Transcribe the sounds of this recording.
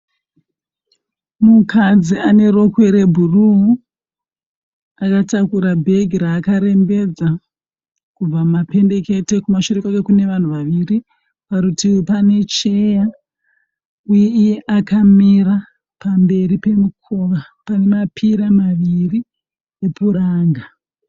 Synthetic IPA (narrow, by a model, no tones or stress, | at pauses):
mukad͡ziane̞ɾo̞kwe̞ɾebʱuruɦu | akatakuɾabʱe̞ɡʱiɾaːkaɾe̞mbe̞d͡za | kub͡vamape̞nde̞ke̞te̞kumaʃurikakekune̞ʋan̤uʋaʋiri | paɾutipane̞t͡ʃeja | ujeijeʔakamiɾa | pambe̞ɾipe̞mukʰoʋa | pane̞mapʰiɾamaʋiri | epʰuɾaːŋɡa